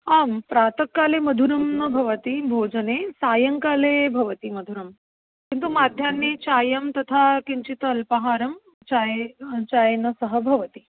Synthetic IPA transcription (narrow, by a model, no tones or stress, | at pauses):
aːmpɾaːt̪ɐkːaːlemɐd̪ʱuɾɐmnɐbʱɐʋət̪ibʱoːd͡ʒɐnesaːjɐŋkalebʱɐʋət̪imɐd̪ʱuɾɐm | kint̪̬umaːd̪ʱjanːet͡ɕaːjɐmt̪ɐt̪ʰakiɲt͡ɕit̪ɐlpɐɦaːɾɐm | t͡ɕajt͡ɕaːjnɐsɐɦəbʱɐʋət̪i